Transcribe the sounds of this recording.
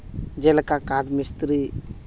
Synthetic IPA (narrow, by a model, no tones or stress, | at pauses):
d͡ʒɛlkakaɖmist̪ɾi